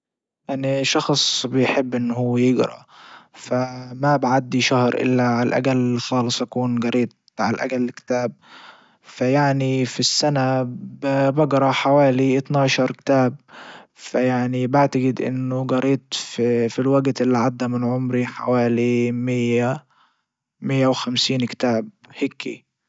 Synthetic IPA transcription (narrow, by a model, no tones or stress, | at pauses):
ʔaniʃɑxsˤbɪjħɪbːʔɪnːhuːjɪɡɾˤɑ̰famabʕad̪ːiʃahɾʔɪ̰lːaʕalʔa̰ɡalxɑːlɨsˤʔakuːnɡɑɾˤiːt̪̚ | ʕa̰lʔa̰ɡalːkɪ̥t̪aːb̚ | fajaʕnifisːanabbɑɡɾˤɑħawaːliʔɪt̪nɑːʃɑɾˤkɪ̥t̪aːb̚fajaʕnibaʕt̪aɡɪd̪ʔɪ̰nːʊɡɑɾiːt̪fifilwaɡt̪ʔɪlːiʕad̪ːamɪnʕʊmɾiħa̰waːlimɪjːa | mɪjːawxamsiːnkɪ̥t̪aːb̚hɪkːḭ